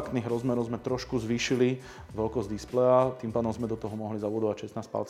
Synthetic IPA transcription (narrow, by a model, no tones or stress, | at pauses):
kt̪niːɣɾɔzmɛɾɔʊzmɛt̪ɾɔʃkuzʋiːʃili | ʋɛlkɔzd̪isplɛat̪iːmpaːd̪ɔmzmɛd̪ɔt̪ɔɦɔmɔɦlizabud̪ɔʋacʃɛsnaːspa̰lt͡s